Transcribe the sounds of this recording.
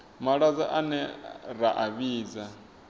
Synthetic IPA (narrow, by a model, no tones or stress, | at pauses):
maɺad͡zaʔanɛɾaʔaβiːd͡za